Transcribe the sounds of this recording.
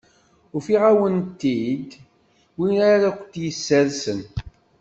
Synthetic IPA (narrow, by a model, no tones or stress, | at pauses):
ʊɾfiʁæwənt̪ːid̪ | winaɾækʷət̪jəsːəðsən